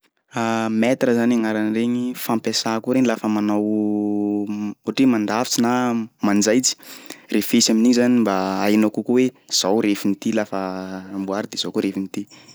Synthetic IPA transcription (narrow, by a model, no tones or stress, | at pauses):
amɛt̪ɾəzanaŋaɾanreɲifampesakuɾeɲilafəmanaw | uʈ͡ʂimand̪afi̥t͡sinamand͡zajt͡si̥refesaminiɲizanimbaajnakukuwez̥awɾefinit̪ilafəmbuaɾid̪ez̥okuɾefinit̪i